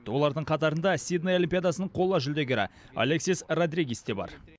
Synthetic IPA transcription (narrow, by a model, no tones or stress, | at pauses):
əwo̞lˠɑɾd̪əɴqʰɑt̪ɑɾənd̪ɑsʲid̪najolʲimpʲijad̪ɑsənəɴqʰo̞lˠːɑʒʏld̪e̞ɡʲɪɾɑ̰ | ɐ̰lʲeksisrad̪ɾʲiɡʲist̪e̞bɑ̰ɾ